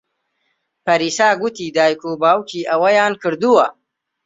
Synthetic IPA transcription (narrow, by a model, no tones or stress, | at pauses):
pɐɾisaːɡut̪id̪aːjkubaːwkiʔawajaːnkəɾd̪uwa